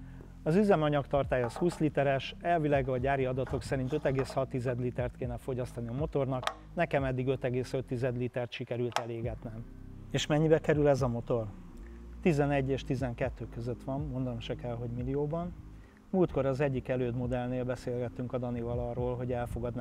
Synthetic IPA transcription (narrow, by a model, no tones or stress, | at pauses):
ɒzyzɛmɒɲɒkt̪ɒrt̪aːjɒshuːslit̪ɛɾɛʃɛlvilaːɡɒɟaːɾiɒd̪ɒt̪o̞ksɛɾint̪ø̞t̪ɛɡeːshɒt̪ːizɛd̪lit̪ɛrt̪keːnɛfo̞ɟɒst̪ɒniɒmo̞t̪o̞rnɒk | nɛkɛmɛd̪ːiɡø̞t̪ɛɡeːsø̞t̪ːizɛd̪lit̪ɛrt̪ʃikɛɾylt̪ɛleːɡɛt̪nɛm | eːʃmɛɲːibɛkɛɾylɛzɒmo̞t̪o̞r | t̪izɛnɛɟːeːʃt̪izɛŋkɛt̪ːøːkøzøt̪ʋɒmːo̞nd̪ɒmʃɛkɛlɦo̞ɟmilijoːbɒn | muːlt̪ko̞ɾɒzɛɟːikɛløːd̪mo̞d̪ɛlneːlbɛseːlɡɛt̪ːyŋkɒd̪ɒnivɒlɒrːoːlɦo̞ɟɛlfo̞ɡɒd̪n